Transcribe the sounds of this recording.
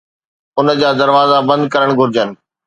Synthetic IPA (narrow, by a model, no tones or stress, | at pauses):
ʊnə̆d͡ʑaːd̪ɐɾʋaːzabɐ̃nd̪kɐɾəɽ̃ɡʱʊɾɪd͡ʑənɪ̆